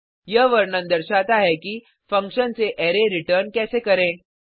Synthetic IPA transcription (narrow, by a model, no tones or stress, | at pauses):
jɐɦʋɐɾnə̃nd̪ɐɾʃaːt̪aɦɛki | fɐ̃ŋkʃənseʔɛːɾeɾɪʈəɾnkɛːsekɐɾẽː